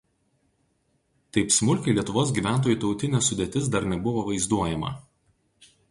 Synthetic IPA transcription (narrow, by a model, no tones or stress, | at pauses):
t̪ɐɪpsmʊlʲkʲɐɪlʲiɛt̪ʊʋoːs̬ɡʲiːʋʲæˑnt̪̬oːjuːˑt̪ɒʊt̪ʲɪnʲɛsʊd̪ʲeːt̪ʲɪs̬d̪ɐɾnʲɛbʊʋoːʋɐɪzd̪uɔjɛmɐ̰